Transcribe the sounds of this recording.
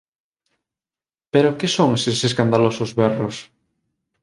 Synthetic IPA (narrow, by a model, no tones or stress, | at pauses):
peɾokesoŋeseses̬kand̪alosʊzβɛros